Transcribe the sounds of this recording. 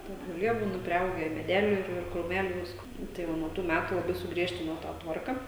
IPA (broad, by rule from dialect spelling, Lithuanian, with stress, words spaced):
ˈtʲɛn ʒoːˈlʲiɛ ˈbuːnɐ pʲrʲɪˈɐʊɡʲæː ɪ mʲɛˈdʲæːlʲuː ɪr ɪr kruːˈmʲæːlʲuː ˈʋʲɪskoː nʊ tɐɪ ˈʋɐ nuɔ ˈtuː ˈmʲætʊ lˠɐˈbɐɪ sʊˈɡrʲiɛʃʲtʲɪnoː tɑː ˈtʋɐrkɐ